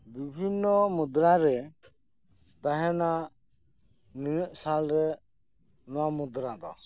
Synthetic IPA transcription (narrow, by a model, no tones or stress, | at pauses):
bibʱinːɔmud̪ɾaɾɛ | t̪aɦɛna | ninɛʔ̚salɾɛ | nɔwamud̪ɾad̪ɔ̰